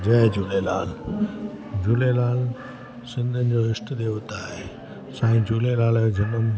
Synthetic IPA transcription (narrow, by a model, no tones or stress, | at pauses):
d͡ʑɐɦd͡ʑuːlela̰ːl | d͡ʑuːlelaːl | sɪ̃nd̪ʱənɪ̆d͡ʑoɪsʈd̪eːʋʊt̪aːɦe | sãːĩd͡ʑulelaːld͡ʑʱɐnəm